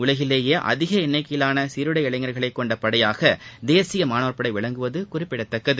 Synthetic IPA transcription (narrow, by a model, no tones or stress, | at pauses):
ʊɭɐɣɪleːjeːʔɐ̰ðɪɣɐɪnːɐɪkːɐjɪlaːnɐsiɾɯɽɐɪɐɭɐɪŋɡɐɾɣɐɭɐɪkːɔɳɖɐpːɐɽɐjaːɣɐd̪eːsɪjɐmaːnoːɾpːɐɽɐɪʋɪɭɐŋɡɯʋɐðɯkʊrɪpːɪɽɐt̪ːɐkːɐðɯ